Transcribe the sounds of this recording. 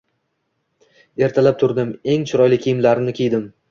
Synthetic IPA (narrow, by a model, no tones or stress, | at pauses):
e̞ɾt̪ʰalap̚t̪ʰʊɾd̪ɪme̞ŋt͡ʃʰʊɾɒjlɪkʲʰːijɪmlaɾɪnɪkʲejd̪ɪm